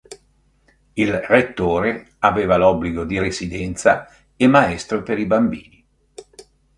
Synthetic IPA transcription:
ilret̪ːoːɾe | aveːvalɔbːliɡod̪iɾesid̪ɛnt̪sa̰ | emaɛst̪ɾopeɾibambiːni

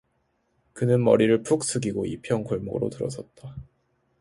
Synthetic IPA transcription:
kɯnɯnmʌ̰ɾiɾɯɭpʰuk̚s͈ʰɯɡiɡoipʰjʌŋkoɭmɯ̰ɾo̰tɯɾʌ̰sʰʌt̚t͈a

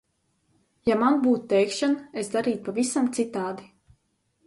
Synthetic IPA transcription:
jamanbuːt̪ut̪ɛjkʃanesd̪aɾiːt̪̚pavisamt̪sit̪aːd̪i

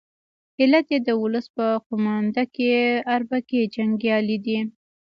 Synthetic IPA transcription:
ɪlat̪jed̪əwʊləspəqʊmɑnd̪akeaɾbaked͡ʒaŋɡjɑlid̪i

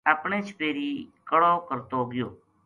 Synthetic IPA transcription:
əpɳeːt͡ʃʰpeːɾiːkəɽoːkəɾt̪oːɡɪjoː

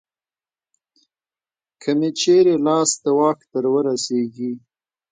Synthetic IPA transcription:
kʰəmet͡ʃeɾelɑsd̪awɑkt̪əɾwəɾaseɡi

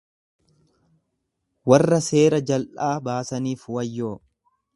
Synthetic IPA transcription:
wɐrːɐse̞ːɾɐd͡ʒɐlʔaːbaːsɐniːfʊwɐjːo̞ː

